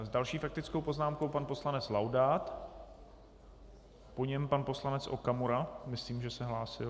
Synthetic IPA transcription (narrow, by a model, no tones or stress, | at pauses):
zdalʃiːfak̚t̪ɪt͡sko̞wpo̞znaːmko̞wpanpo̞slanɛt͡slawdaːt̪ | po̞ɲɛmpanpo̞slanɛt͡sʔo̞̰kamuɾamɪsliːmʒɛsɛɦlaːsɪ